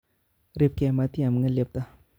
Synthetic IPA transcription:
ɾep̚ke˨mat̪i˦a˨mŋa˦lep̚t̪a

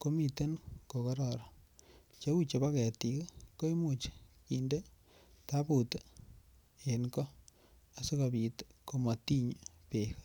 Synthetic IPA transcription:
ko˦mi˨t̪e˦nko˨kɔ˦ɾɔ˨ɾɔ˨ | t͡ʃe˦u˦t͡ʃe˨ba˦kɛ˨t̪ikko˦i˦mut͡ʃki˨nde˦ | t̪a˦but̪ | enkɔ˦ | a˨su˦ka˨bi˨t̪ko˨ma˨t̪i˦ɲpek

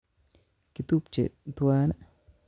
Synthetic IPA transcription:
ki˨t̪u˦p̚t͡ʃḛ˨t̪wa˦nɛ˦

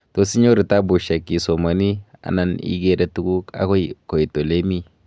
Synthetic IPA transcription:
to˨si˦ɲo˦ɾi˨ta˦bu˨ʃa˨ki˨so˨ma˨ni˦a̰˨na˨nḭ˦ɡe˦de˦tu˦ɡu˦ka̰˨˦kɔ˦ko˨i˨to˨le˦mi˦

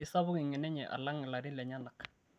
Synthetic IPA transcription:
ɪ˨˦sa˦βʊ˦ŋi˨ŋɛ˨nɛ˦ɲɛ˨ʔa̰˨la˦ŋ˨la˨ɾi˦lɛ˨ɲa˦na˨k

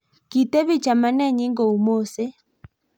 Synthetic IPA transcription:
ki˨te˦βi˦t͡ʃa˨ma˦nɛ˦ɲɪ˦ŋɡo˨u˨mo˦˨se˦

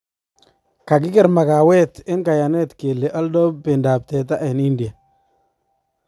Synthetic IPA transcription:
ka˨k̬ɪ˦kɪ˦˨ɾma˨ka˨wɛ˦t̪ɪ˦nka˨ja˨nɛ˦t̪ke˨lːe˨ʔɔ˦ldɔ˦bɪ˨nda˨p̚tɛ˨t̬a˦ʔɛ˨nɪ˦ndi˨a˨

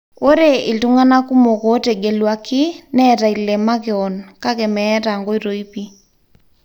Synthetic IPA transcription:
o˦ɾe˦ɪ˨tu˦ŋa˦na˦ku˦mo˨kɔ˨˦tɛ˨ɡe˨lwa˨kɪ˦nɛ˦ta˨i˨lɛ˨ma˦kɪ˨ɔ˨nka˦kɛ˨mɛː˦ta˨ŋɡo˦i˦ɾo˨i˦pi˦

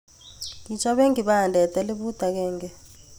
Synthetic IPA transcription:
ŋit͡ʃʰʼa˦ɓe˦ŋiɓaɦa˨ndʱɛ˨tʼɛ˦li˦ɓu˦d̥ʱa˨k̬ɛː˦ŋɡɛ

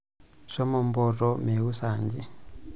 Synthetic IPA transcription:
ʃɔ˦mɔ˨m˦bɔ˨tɔ˦me˨wu˦saː˨ɲd͡ʒi˦

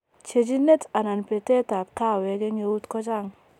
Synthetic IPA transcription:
t͡ʃe˨d͡ʒi˦ne˦ta˨na˨npe˨te˦ta˨p̚ka˦˨we˨˦ɡe˦ɲe˨wu˦tkɔ˦d͡ʒa˦˨ŋ

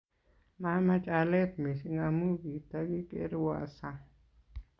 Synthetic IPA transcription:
ma˦mã˧t͡ʃʼa˧le˦t̪̚mi˨si˧ŋa˧mu˦ɡi˨t̪a˧ɡi˦kḛ˧˦ɾwa̰˨sa˧

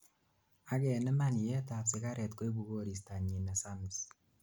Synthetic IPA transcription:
a˨kɛ˨nɪ˦ma˦ni˨jɛ˦ta˨sɪ˦ka˦ɾɛ˨tko˦i˦bu˨ɡo˦ɾi˨sta˨ɲi˨na˨sa˦mɪ˨s

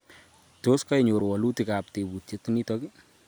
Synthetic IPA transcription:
to˦ska˦jɲo˨ɾwɔ˨lu˦ti˨ka˨p̚te˨bu˨tje˦tːi˦ni˦tɔ˦ki˦

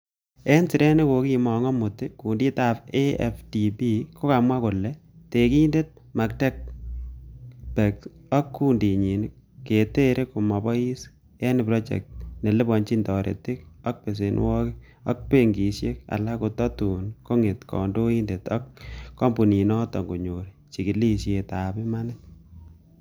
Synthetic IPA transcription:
e˦nsi˨ɾe˦ne˦ko˨ki˦mɔ˨ŋɔ˦mʊ˨tɪ˦ku˨ndi˦ta˨peɛ̰fdi˨bi˦kʰo˦ka˨mwa˦kʊ˨lɛ˨ | te˨ki˦nde˦t̚ | ma˨k̚tɛ˦k̚ | pɛ˨ksɔ˦kːu˦ndi˨ɲi˨n | kːe˨te˦ɾʔeko˨ma˨bɔ˦i˦s | jɛ˦ni˨pɾɔ˦t͡ʃɛ̰˨k̚t̚ne˨le˦bɔ˨nt͡ʃi˦ndɔ˨ɾḛ˨te˦kɔ˦k̚pe˨s̬e˨nwɔ˦kɪ˦ | ɔ̰˦k̚pe˦ŋɡi˨sje˦ka̰˨la˦ku˨tɔ˦tu˨nko˦ŋe˨tkɔ̰˨ndo˦i˦nde˨tɔ˦kːɔ˦mbu˨ni˨nɔ˦tɔ˨ŋɡo˨ɲo˨ɾi | t͡ʃi˨ki˨li˦ʃje˨ta˨pɪ˦ma˦nɪ˦t

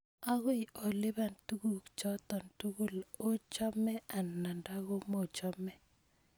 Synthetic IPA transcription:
a˦ɣɔ˦i˨ʔɔ˨lɪ˦βa˨ntu˦ɡu˦˨kt͡ʃɔ˦t̪ɔ˨ntu˦ɡu˦lo˦t͡ʃɔ˦mɛ˦a˨nːa˨nda˦ɣo˦mo˨t͡ʃɔ˦mɛ˦

